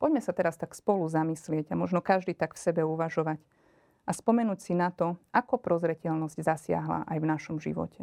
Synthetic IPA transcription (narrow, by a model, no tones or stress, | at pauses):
pɔɟmɛsat̪ɛɾast̪akspɔluzamislɪɛɟamɔʒnɔkaʒd̪iːt̪akfsɛbɛuʋaʒɔʋac | aspɔmɛnuːcsinat̪ɔʔakɔpɾɔzɾɛcɛlnɔzɟzasɪa̰ɦla̰ʔajvnaʃɔmʒḭʋɔ̰cɛ